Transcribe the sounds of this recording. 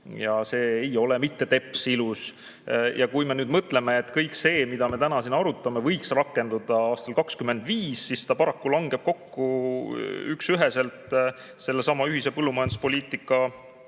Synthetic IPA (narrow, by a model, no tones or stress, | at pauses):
jɑse̞ːejo̞le̞mit̪ːe̞t̪e̞pːˑsilus | jʔɑkujme̞nyːd̪mɤt̪ːle̞me̞ːt̪ːkɤjkse̞ːmid̪ɑme̞t̪ænɑsinːɑɾut̪ːˑɑme̞vɤjksrɑkːˑe̞nd̪̥ud̪̥ɑɑːst̪ɑlkɑkskyme̞nd̪viːsːist̪ɑpɑɾɑkːulɑŋɡ̥e̞b̥̚ko̞kːu | yksyɦese̞lt̪ | se̞lːe̞sɑmɑyɦise̞pɤlːumɑjɑnd̪̥uspo̞lʲiːt̪ˑikːˑɑ